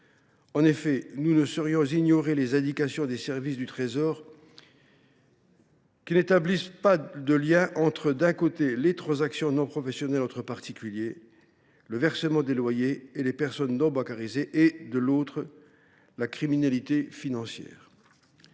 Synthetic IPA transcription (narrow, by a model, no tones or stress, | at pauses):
ɑ̃nefɛnunəsəʁjɔ̃ziɲɔʁelezɛ̃d̪ikasjɔ̃d̪esɛʁvisd̪yt̪χezɔʁ | kʲinet̪ablispad̪əljɛ̃ʔɑ̃t̪χəd̪ɛ̃kot̪elet̪χɑ̃zaksjɔ̃nɔ̃pχɔfɛsjɔnɛlɑ̃t̪χəpaʁt̪ikʲylje | ləvɛʁsəmɑ̃d̪elwajeːlepɛʁsɔnːɔ̃bɑ̃kaʁizeʔed̪əlot̪χə | lakχiminalit̪efinɑ̃sjɛ̰ːʁ